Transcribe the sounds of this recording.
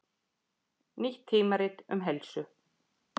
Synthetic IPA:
niht̪ʰːiːmaɾɪt̪ʏ̰mɦɛlsʏ

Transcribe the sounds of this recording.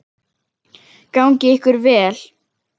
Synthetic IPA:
kawɲcɪɪhkʏɾvɛːl

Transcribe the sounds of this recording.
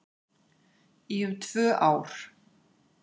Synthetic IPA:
iʏmt̪ʰv̥œːʔaːwɾ̥

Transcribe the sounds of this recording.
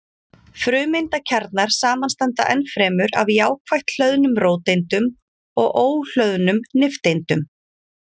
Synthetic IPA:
fɾʏːmejnt̪acʰaɾt̪naɾ̥saːmanst̪ɛnt̪a̰ʔɛnfɾɛːmʏɾa̰vjaːwkʰvajht̪l̥œðnʏmɾoːwt̪ejnt̪ʏm | ɔɣʔoːwl̥œðnʏmnɪft̪ejnt̪ʏm

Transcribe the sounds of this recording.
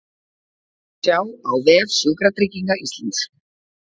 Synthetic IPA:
sjaːwawvɛːð̥sʏːkɾat̪ɾiciŋkaist̪lant̪s

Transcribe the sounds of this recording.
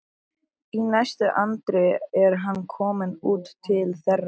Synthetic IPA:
inɛst̪ʏʔant̪ɾɪɛɾɦanːkʰɔːmɪnuːt̪ʰːɪlθɛra

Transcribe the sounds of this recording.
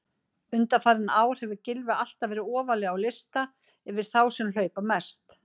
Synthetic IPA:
ʏnt̪afaːɾɪnaːwɾ̥hɛvʏcɪlvɪal̥t̪avɛːɾɪɔːvalɪawlɪst̪a | ɛvɪɾ̥θawsɛml̥œːɥpamɛst̪

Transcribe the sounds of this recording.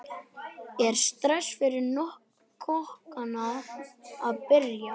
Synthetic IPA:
ɛɾ̥st̪ɾɛsfɪɾɪɾnɔhk | kʰɔhkana | aðpɪɾja

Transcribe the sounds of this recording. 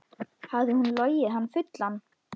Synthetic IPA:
havðɪhunlɔːjɪɦanːfʏt̪lanː

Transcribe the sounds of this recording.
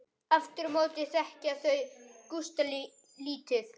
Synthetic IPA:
aft̪ɪɾmoːwt̪ɪθɛhcaθœɥkust̪ali | liːt̪ɪθ

